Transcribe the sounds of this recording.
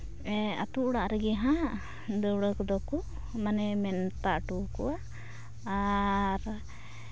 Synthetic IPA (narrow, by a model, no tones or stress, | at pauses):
ɛa̰t̪uʔɽaʔɾɛɡɛɦã | d̪əwɽəkɔd̪ɔku | manɛmɛnt̪aʔʈukuwaʔː | ɾ